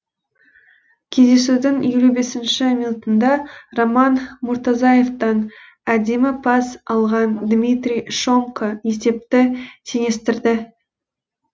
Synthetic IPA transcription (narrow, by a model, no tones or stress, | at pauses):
kʲʰe̞zd̪e̞sud̪ɪŋjelube̞sɪnʃɪminut̪ənd̪ɑromɑnmʊɾt̪ɑzɑjeft̪ɑn | æd̪e̞mɪpʰɑsɑlˠʁɑnd̪mʲit̪rʲijʃo̞ŋkʰəje̞se̞p̚t̪ɪt̪ʰeŋe̞st̪ɪɾd̪ɪ